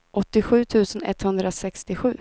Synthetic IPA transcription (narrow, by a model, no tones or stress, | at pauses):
ʔɔt̪ːɪɧʉ̟ːt̪ʰʉ̟ːsənɛ̰t̪hɵnd̪ɾasɛkst̪ɪɧʉ̟ː